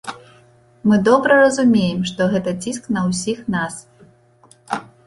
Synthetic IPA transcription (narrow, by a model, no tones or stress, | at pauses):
mɨd̪ɔbɾɐrɐzumʲejɛmʂt̪ɔɣɛt̪ɐt͡sʲisknɐwsʲixnas